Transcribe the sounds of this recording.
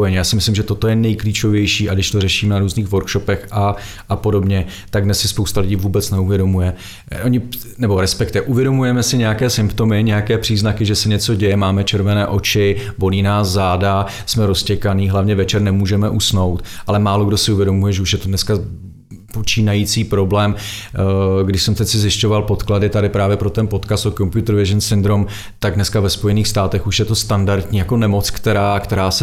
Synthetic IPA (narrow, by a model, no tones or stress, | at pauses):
jɛɲjaːsɪmɪslɪmʒɛt̪o̞t̪o̞jɛnɛjkliːt͡ʃo̞vjɛjʃiːaɡdɪʃt̪orɛʃiːmnaɾuːzniːxvo̞ɾkʃo̞pɛxʔa | ʔapo̞do̞bɲɛ | t̪aɡdnɛssɪspowst̪alɪɟiːvuːbɛt͡snɛuvjɛdo̞mujɛ | ʔoɲɪ | nɛbo̞ɾɛspɛkt̪ɛʔuvjɛdo̞mujɛmɛsɪɲɛjakɛːsɪmpt̪o̞mɪɲɛjakɛːpr̝̥iːznakɪʒɛsɛɲɛt͡so̞ɟɛjɛmaːmɛt͡ʃɛɾvɛnɛːʔo̞t͡ʃɪvo̞liːnaːszaːda | smɛɾo̞scɛkaniːɦlavɲɛvɛt͡ʃɛɾnɛmuːʒɛmɛʔusno̞wt̪ʔalɛmaːlo̞ɡdo̞sɪuvjɛdo̞mujɛʒɛuʃjɛt̪odnɛska | po̞t͡ʃiːnajit͡siːpɾo̞blɛːm | ɡdɪʃsɛmt̪ɛcsɪzɪʃco̞valpo̞t̪kladɪt̪adɪpɾaːvjɛpɾo̞t̪ɛnpo̞t̪kast̪okompjut̪ɾvɪzɛnsɪnd̪ɾo̞m | t̪aɡ̚dnɛskavɛspo̞jɛniːxst̪aːt̪ɛxuʃjɛt̪o̞st̪andaɾt̪ɲiːjako̞nɛmo̞t͡skt̪ɛɾaːkt̪ɛɾaːsɛ